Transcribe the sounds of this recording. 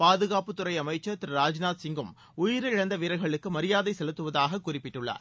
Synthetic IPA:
paːðɯɣaːpɯt̪ːʊrɐɪɐmɐɪt͡ʃːɐt̪ɪɾɾaːd͡ʒnaːt̪sɪŋɡɯm | ʊjɪɾɯɪɽɐnd̪ɐʋɪɾɐɪɣɐɭɯkːɯmɐɾɪjaːðɐɪsɛlɯt̪ːɯʋɐðaːɣɐkːʊrɪpːɪʈːɯɭːa̰ːɾ

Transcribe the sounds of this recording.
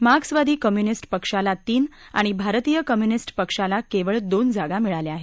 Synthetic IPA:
maɡsʋad̪ʱiːkəmjunisʈpəkʂalat̪iːn | a̰ɽ̃ibʱaɾt̪ijəkəmjunisʈpəkʂalakeʋəɭd̪ond͡zaɡamiɭaleaɦe

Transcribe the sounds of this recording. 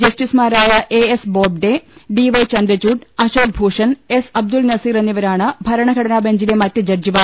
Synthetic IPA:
d͡ʑɐsʈismaːɾaːjɐʔeesboːb̚ɖeɖiʋɐjt͡ɕɐnd̪ɾɐt͡ɕuːɖɐɕoːd̪̚bʱuːʂɐnesɐb̚d̪ulnɐsiːɾenːiʋɐɾaːɳɨbʱɐɾɐɳɐɡʱɐɽɐnaːbɐɲd͡ʑilemɐtːɨd͡ʑɐrd͡ʑiʋaː

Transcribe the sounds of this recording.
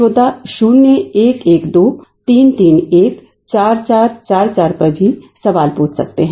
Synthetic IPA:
oːd̪aʃuːnːjeeːkeːkd̪oːt̪iːnt̪iːneːk | t͡ʃaːɾt͡ʃaːɾt͡ʃaːɾt͡ʃaːɾpɐɾbʱisɐʋaːlpũːt͡ʃsɐk̚t̪eɦɛ̃

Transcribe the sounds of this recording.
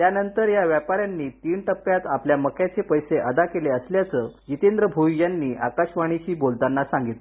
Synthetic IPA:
t̪janənt̪əɾjaʋjapaɾjanːiːt̪iːɳʈəpːjat̪apljaməkʰjat͡sepəjseʔəd̪akeleəsljat͡səːd͡ʑit̪end̪ɾəbʱujanːiːʔakaɕʋaɽ̃iɕiːbolt̪anːasãŋɡit̪l

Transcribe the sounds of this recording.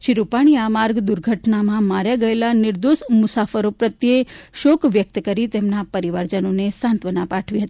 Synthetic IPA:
ʃiɾupaɽ̃iamaɾɡd̪uɾɡʱəʈnamãmaɾjaɡəelanɪɾd̪oʃmʊsafəɾopɾət̪jeʃokʋjək̚t̪əkəɾit̪emnapəɾiʋaɾd͡ʒənonesãnt̪ʋənapaʈʰʋiɦət̪ii

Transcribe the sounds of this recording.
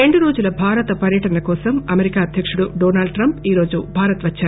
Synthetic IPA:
e̞ɳɖuɾoːd͡ʒulɐbʱaːɾɐt̪ɐpɐɾjɐʈɐnɐkɔːsɐmɐmeɾikaːɐd̪ʱjɐkʂuɽuɖoːnaːɭɖ̚ʈɾɐmpiːɾo̞ːd͡ʒubʱaːɾɐt̪ʋɐt͡ʃːaːu

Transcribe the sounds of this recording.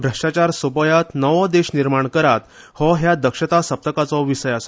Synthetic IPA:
bʱɾəʂʈat͡ɕaɾsopəjat̪nəʋɔ̃d̪eɕniɾmaɳkəɾat̪ | hɔɦjad̪əkʂət̪asəp̚t̪əkat͡sɔʋisəjas

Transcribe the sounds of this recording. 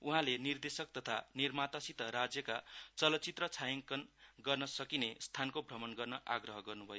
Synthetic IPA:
uɦãlenird̪esʌk̚t̪ʌt̪ʰanirmat̪ʌsit̪ʌɾad͡zjʌkat͡sʌlʌt͡sit̪rʌt͡sʰajʌŋkʌnɡʌrnʌsʌkinest̪ʰankobʱrʌmʌnɡʌrnʌʔa̰ɡrʌɦʌɡʌrnubʱʌjo

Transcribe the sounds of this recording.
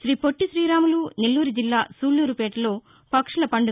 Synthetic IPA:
ʃɾiːpoʈːiʃɾiːɾaːmuluːnilːuːɾud͡ʒilːaːsuːlːuːɾupeːʈɐloː | pɐkʂɐlɐpɐɳɖu

